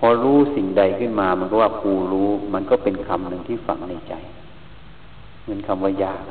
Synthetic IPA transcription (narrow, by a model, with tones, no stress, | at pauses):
pʰɔ˧ɾuː˦˥si˨˩ŋda˧jkʰɯ˥˩nmaː˧ma˧nkɔ˧˩waː˧˩kʰuː˧˩ɾuː˦˥ma˧nkɔː˧˥˩pe˨˧nkʰa˧mnɯ˨˧ŋt̪ʰiː˥˩fa̰˨˩ŋna˧˩jt͡ɕa̰˨˩j | mɯ˨˦ənkʰa˧mʋaː˧˩jaː˧˩k̚